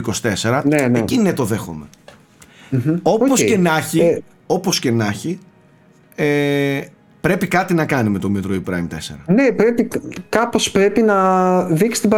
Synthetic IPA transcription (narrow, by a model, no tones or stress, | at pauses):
kosi̥t̪e̞seɾɐneecinet̪o̞ðe̞xo̰me | o̞posscenɐçi | o̞po̞sce̞nɐçi | e | pɾe̞pikɐt̪inɐkɐnime̞t̪o̞mit̪ɾoipɾɐ̰imt̪e̞se̞̰ɾɐnepɾe̞pikɐpo̞spɾe̞pinɐðiksi̥st̪ibɐ